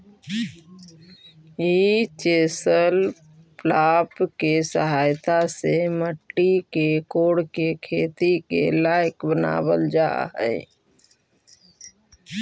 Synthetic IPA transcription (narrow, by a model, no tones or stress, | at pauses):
jit͡ʃeːsəl | plapkesəɦajt̪aseməʈːikekoːɽkekʰeːt̪ikḛlajkbəna̰ːbəld͡ʒa̰ɦɛ̰ɪ